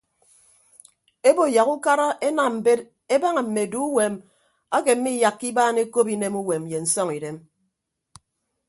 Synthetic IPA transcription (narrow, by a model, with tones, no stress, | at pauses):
e˦bo˨ja˨ɣu˦ka˦ɾa˦ʔe˦na˨m̩˨be˦t | e˦ba˦ŋa˨m̩˨me˨du˦u˦we˨m | a˦ke˨m̩˦mi˦ja˨kːi˦baː˦ne˦ko˦pi˦ne˦mu˦we˨m˨je˨n̩˨sɔ˦ŋi˨de˦m